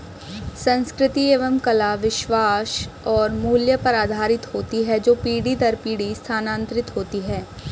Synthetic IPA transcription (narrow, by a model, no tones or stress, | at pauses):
sɐ̃nskɾɪt̪ieːʋəmkɐlaʋɪʃʋaːʃ | ɔːɾmuːljəpɐɾaːd̪ʱaːɾɪt̪ɦoːt̪iɦɛd͡ʒoːpiːɽid̪ɐɾpiːɽist̪ʰaːnãːnt̪ɾɪt̪ɦoːt̪iɦɛː